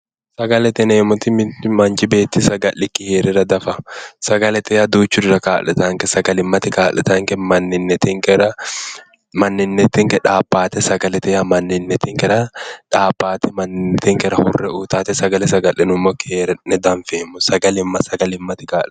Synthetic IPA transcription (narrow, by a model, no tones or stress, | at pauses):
sɐɡɐlɛt̪ɛneːmʊt̪ɪmmɐnt͡ʃɪbeːt̪ːɪsɐɡɐlːɪkɪheːɾɪɾɐd̪ɐfɐsɐɡɐlɛt̪ɛjɐd̪uːt͡ʃːʊdɪɾɐkaːlɛt̪ɐŋkɛsɐɡɐlɪmːɐt̪ɪkaːlɛt̪ɐŋkɛmɐnːɪnːɛt̪ɪŋkɛɾɐ | mɐnːɪnːɛt̪ːɪŋkɛᶑaːbːaːt̪ɛsɐɡɐlɛt̪ɛjɐmɐnːɪnːɛt̪ɪŋkɛɾɐᶑaːbːaːt̪ɛmɐnɪt̪ɪŋkɛɾɐhʊ̰rːɛuːt̪aːt̪ɛsɐɡɐlɛsɐɡɐlːɪnʊmːokeːɾɛnɛd̪ɐɱfeːmʊsɐɡɐlɪmːɐsɐɡɐlɪmːɐt̪ɪkaː